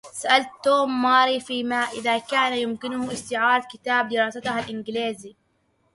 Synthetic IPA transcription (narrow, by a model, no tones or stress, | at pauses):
saʔalt̪ːoːmːɑːɾifiːmaʔɪðakaːnajʊmkɪnʊhʔɪst̪ɪʕaːɾˤɑd̪̚kɪt̪aːb̚d̪ɪɾˤɑːsat̪aɦalʔɪnɡɪliːzi